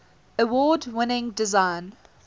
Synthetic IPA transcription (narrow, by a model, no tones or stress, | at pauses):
əwɔːdwɪnɪ̃ŋdɪzãɪn